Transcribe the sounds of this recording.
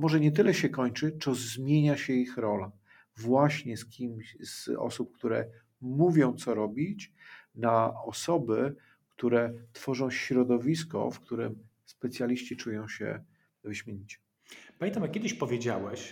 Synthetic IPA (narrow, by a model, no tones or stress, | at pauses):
mɔʐɛɲɛt̪ɘlɛɕɛkɔɲt͡ʂɘt͡sɔzmʲjeɲaɕɛixɾɔla | vwaɕɲɛskʲimsɔ̰sup̚kt̪uɾɛ̰ | muvʲjɔ̃w̃t̪sɔɾɔbʲit͡ɕnaɔsɔbɘ | kt̪uɾɛt̪fɔʐɔ̃w̃ɕɾɔd̪ɔvʲiskɔ̰fkt̪uɾɘm | spɛt̪sʲjalʲiɕt͡ɕit͡ʂujɔ̃w̃ɕɛ̰ | vɘɕmʲeɲit͡ɕɛ̥ | paɲent̪amakʲɛd̪ɘɕpɔvʲjed͡ʑawɛɕ